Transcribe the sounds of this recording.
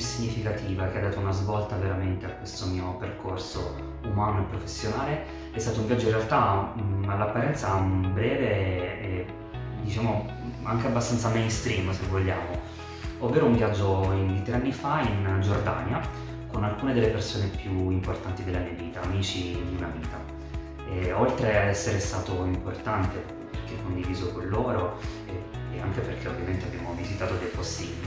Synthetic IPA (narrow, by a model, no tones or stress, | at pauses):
siɲːifikat̪ʰiːvak̟ead̪ːaːt̪ounazvɔlt̪aveɾament̪eakːwest̪omiːoperkorso̰ | umaːnoepːɾofesːjonaːle | ɛst̪aːt̪ouɱvjad͡ʒːoinrealt̪aalːapːaɾɛnt̪sabɾɛːveɛ | d̪it͡ʃaːmo | aŋkeabːast̪ansamɛjnst̪ɾimsevːoʎːa̰ːmo | ovːeːɾouɱvjad͡ʒːoind̪it̪ɾeanːifaind͡ʒord̪a̰nja | konalkuːned̪elːepersoːnepjuimport̪ant̪id̪elːamiːaviːt̪aːmiːt͡ʃid̪iunaviːt̪a | ɛolt̪ɾead̪ɛsːeɾest̪aːt̪oimport̪ant̪e | perkekːond̪iviːzokonloːɾo | ɛ | ea̰ŋkeperkʰeovːjament̪eabːjaːmovizit̪aːt̪od̪ɛpːosːibil